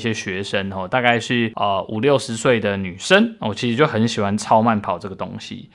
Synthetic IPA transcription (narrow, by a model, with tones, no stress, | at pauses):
ɕjɛ˦ɕɥɛ˧˥ʂə˦˥nxɔ˥˨t̪a˥˧ka˥˧ɪʂɻ̩˥˩ə˧u˨˩ljo˥˩ʊʂɻ̩˧˦swe˥˩ɪd̪ə˩ny˨˩ʂə˦nwɔ˨t͡ɕʰi˧˥ʂɻ̩˧˥t͡ɕjo˥˩ʊxə˧˦nɕi˨˩xwa˦nt͡sʰɑ˦˥ʊma˥˩npʰɑ˨ʊʈ͡ʂɤ˥˩ɡə˩t̪o̰˥ŋɕḭ˨